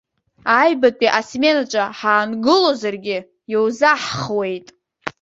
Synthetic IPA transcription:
ajbapʼiʔasmenat͡ʃʼaħaːnɡɨlozarɡʲɪ | jowzaħχwe̞jtʼ

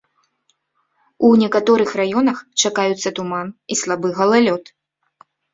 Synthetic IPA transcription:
unʲɛkat̪ɔɾɨxrajɔnɐxt͡ʂakajut̪sːɐt̪umanislˠabɨɣɐlˠalʲɔt̪

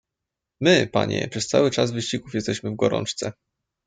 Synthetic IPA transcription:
mɘpa̰ɲɛ̰pʂɛst̪sa̰wɘt͡ʂazvɘɕt͡ɕiɡufjɛst̪ɛɕmɘvɡɔɾɔ̰nt͡ʂt̪sɛ

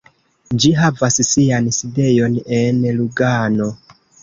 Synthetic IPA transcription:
d͡ʒiɦavassianside̞jo̞nenluɡano̞

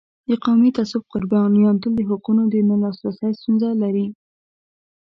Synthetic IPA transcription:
d̪əqawmit̪asub̚qʊɾbjɑnjɑnt̪ʊld̪əɦʊqunod̪ənəlɑsɾasəjst̪unzalaɾi

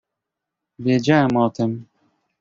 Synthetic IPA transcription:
vʲjɛd͡ʑawɛmɔt̪ɘm

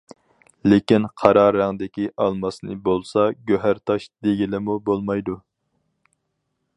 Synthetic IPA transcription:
lekʲinqʰɑɾɑːɾæŋd̪ɪkʲiʔɑlˠmɑsnɨ̰bolˠsɑɡʲøɦæɾt̪ʰɑʃd̪eɡʲilɪmubolˠmɑjd̪u

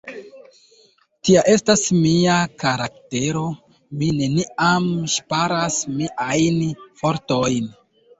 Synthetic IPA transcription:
tiaʔe̞stasmiakaɾakte̞ɾo | mine̞niamʃpaɾasmiʔajnfo̞ɾto̞jn

